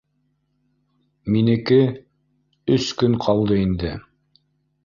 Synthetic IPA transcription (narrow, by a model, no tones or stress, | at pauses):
minɘ̆kɘ | ɵskɵŋqʰɑlˠd̪ɤind̪ɘ